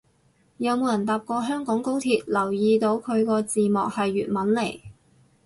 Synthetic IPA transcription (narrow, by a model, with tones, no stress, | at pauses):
jɐ˨˧wmo˨˧wjɐ˨˩nt̪aː˨p̚kɔː˧ɦœː˥ŋkɔː˨˥ŋko˥wt̪ʰiː˨t̚lɐ˨˩wjiː˧t̪o˨˧wkʰɵ˨˧ɥkɔː˧t͡siː˨mɔː˨k̚hɐ˨jːyː˨t̚mɐ˨˥nle˨˩j